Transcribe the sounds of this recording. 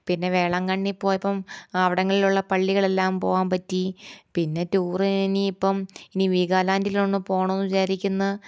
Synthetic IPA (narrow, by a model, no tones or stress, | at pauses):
pinːe̞ʋeːɭɐŋkɐɳːipːo̞ːjɐpːɐmɐʋiɽɐŋːɐɭiluɭːɐpɐɭːiɣɐɭe̞lːaːmpo̞ːʋaːnpɐtːipinːe̞tuːriniːpːɐminiʋiːɣaːlaːndiloɳːɨpo̞ːɳɐnːuiɕaːɾikʲːunːɐ